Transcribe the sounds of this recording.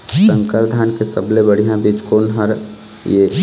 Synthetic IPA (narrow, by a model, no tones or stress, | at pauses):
sə̃ŋkəɾd̪ʱaːnkesə̰blebəɽ̤ijãbiːt͡ʃkoːnɦəɾ | je